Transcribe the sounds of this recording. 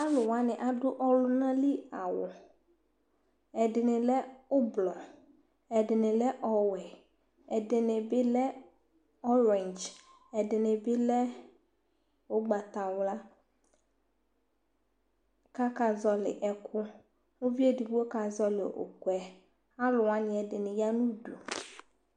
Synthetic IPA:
a˦lʊ˨wa˦nɪ˨ʔa˨dʊ˦ʔɔ˦lʊ˦nã˦li˦a˨wʊ˨ | ɛ˨dɪ˨nɪ˨lɛ˦ʊ˦blɔ˨ | ɛ˨dɪ˨nɪ˨lɛ˦ʔɔ˨wɛ˨ | ɛ˨dɪ˨nɪ˨bɪ˦lɛ˦ | ɔ˦ɾe˨nd͡ʒ | ɛ˨dɪ˨nɪ˨bɪ˦lɛ˦ | wo˦ɡ͡ba˨t̪a˨wla˦ | ka˦ka˨zɔ˨˦lɪ̰˨ʔɛ˨kʰʊ˦ | ŋʊ˦vi˦e˦di˨bu˦o˦ka˨zɔ˦lɪ˨ʔo̰˨kwɛ˨ | a˦lʊ˨wa˦ɲɪ̃˨ɛ˨dɪ˨nɪ̃˨ja˦nũ˦du˨

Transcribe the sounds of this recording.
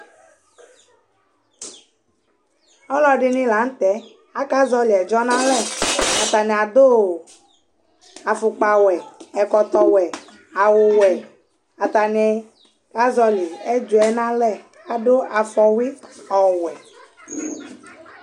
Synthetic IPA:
ɔ˦lɔ˦ɖɪ˦nĩ˦la˨˦n̩˦t̪ɛ˨˦ | a˨˦ka˦zɔ˦li˨ɛ˨d͡ʒɔ˦nã˦lɛ˦˨a˨t̪a˨nɛ̃˨a˨d̪o˦˨ | a˨fu˨k͡pa˨wɛ˨ɛ˨kɔ˨t̪ɔ˨wɛ˨ | a˨wo˨wɛ˨ | a˨t̪a˨nɛ˨˦ | ka˦zɔ˦li˨ɛ˦d͡ʒo˨˦ɛ˦nã˦lɛ˦˨ | a˨ɖo˦a˨fɔ˨wi˦ɔ˨wɛ˨

